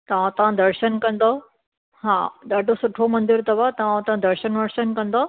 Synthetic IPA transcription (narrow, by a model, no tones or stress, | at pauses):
t̪ɐʋãt̪ɐʋ̤ãd̪ɐɾʃənkɐ̃nd̪o | ɦãːɗaːɖosʊʈʰomɐ̃nd̪ɪɾt̪ɐbat̪ɐʋãt̪ɐʋãd̪ɐɾʃənʋɐɾʃənkɐ̃nd̪o